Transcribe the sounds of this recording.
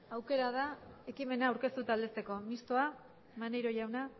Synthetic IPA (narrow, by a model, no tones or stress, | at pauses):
awke̞ɾað̞ae̞kime̞naːwɾke̞st̪ut̪ald̪e̞st̪e̞ko̞mist̪o̞a | mane̞jɾo̞ʝawna